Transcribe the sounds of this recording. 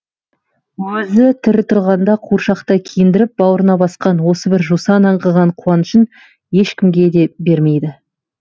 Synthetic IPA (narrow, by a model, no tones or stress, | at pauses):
wɵzɪt̪ʰɪɾɪt̪ʰʊɾʁɑnd̪ɑqʰuɾʃɑqt̪əkʲʰijɪnd̪ɪɾɪp̚bɑwəɾənɑbɑsqɑnwo̞səbɪɾʒusɑnɑɴʁəʁɑɴqʰuwɑnʃən | je̞ʃkʲɪmɡʲe̞d̪e̞be̞ɾme̞jd̪ɪ